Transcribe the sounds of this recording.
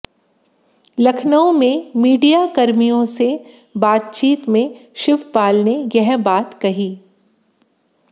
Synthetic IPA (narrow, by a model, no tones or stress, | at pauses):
lɐkʰnəõmẽmiːɖijakɐɾmijõse | baːt̪̚t͡ʃiːt̪mẽʃɪʋpaːlnejɛɦbaːt̪kɐɦiː